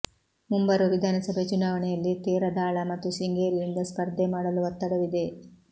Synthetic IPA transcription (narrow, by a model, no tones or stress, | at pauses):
mumbɐɾuʋid̪ʱaːnɐsɐbʱet͡ʃunaːʋɐɳɛjɐlːit̪iːɾɐd̪aːɭɐmɐt̪ːusiŋɡeːɾiɾind̪ɐspɐɾd̪ʱemaːɽɐluʋɐt̪ːɐɽɐʋid̪e̞